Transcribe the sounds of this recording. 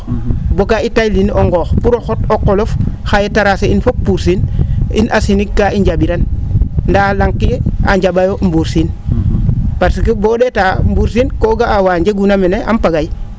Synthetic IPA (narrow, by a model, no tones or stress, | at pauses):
bokaitajlinoŋɡoːxpuɾoxotokːolofxajetaɾaseinfopːuɾsinḭnʔasinikːaiɲɟabiɾanndalaŋkːia̰ɲd͡ʒabajombuɾsin | paɾsikibodetaːmbuɾsinkoɡaawaːɲd͡ʒeɡunameneʔa̰mpaɡaj